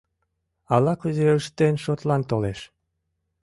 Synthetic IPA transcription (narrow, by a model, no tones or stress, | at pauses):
ɑlɑkuzeəʃt̪enʃot̪lɑnt̪oleʃ